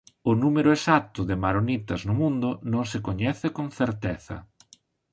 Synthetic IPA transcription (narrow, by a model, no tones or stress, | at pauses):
ʊnumeɾʊesat̪ʊðɪmaɾonit̪ɐznʊmũnd̪ʊnõŋsɪkoɲɛθɪkoŋθeɾt̪ɛθɐ̰